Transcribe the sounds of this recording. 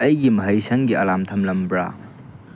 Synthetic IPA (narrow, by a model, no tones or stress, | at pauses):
ɐjɡimɐɦɐjsɐŋɡiɐlamtʰɐmlɐmbɾa̰